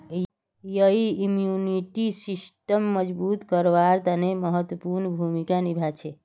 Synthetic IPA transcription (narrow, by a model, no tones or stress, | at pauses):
jəɦiimjuniʈisisʈəmːəd͡ʒbut̪kəɾʋaɾt̪aneməɦət̪wəpuɾnbʱumikanibʱat͡ʃʰe